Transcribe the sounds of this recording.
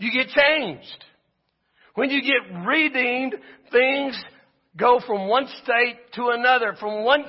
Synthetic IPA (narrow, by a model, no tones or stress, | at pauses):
jɨɡɛt̚t͡ʃʰẽɪ̃nd͡ʒd̥ | wɨ̃njɨɡɛt̚ɹidĩnθɪ̃ŋz | ɡoʊfɹʌ̃mwʌ̃nsteɪtʰəənʌðə˞fɹʌ̃mwʌ̃n